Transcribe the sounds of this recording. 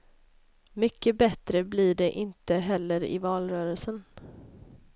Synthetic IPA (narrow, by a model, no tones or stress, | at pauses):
mʏkːəbɛt̪ɾəblɪɖɛʔɪnt̪əɦɛlːəɾɪ̰vɑːlɾœːɾəlsən